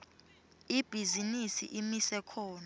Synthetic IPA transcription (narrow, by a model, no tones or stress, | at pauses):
ib̥ʱizinisḭʔimisɛkʰɔːna